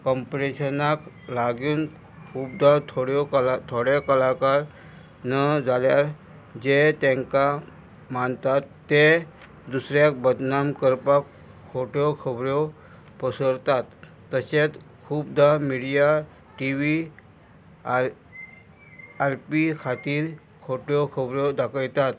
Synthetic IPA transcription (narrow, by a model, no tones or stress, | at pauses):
kɔmpɾeɕənak | laɡuːn | kʰuːb̚d̪aɾt̪ʰoɽjɔklat̪ʰoɽekəlakaɾ | nəd͡zaljaɾ | d͡ʑet̪ẽŋka | mant̪at̪ːe | d̪usɾjak̚bəd̪namkəɾpakʰː | oʈjɔkʰəbɾɔ | pəsəɽt̪at̪ː | əset̪kʰuːb̚d̪amiɽija | ʈiʋi | aɾpikʰat̪iːɾ | kʰoʈjɔkʰəbɾɔd̪akʰəjt̪at̪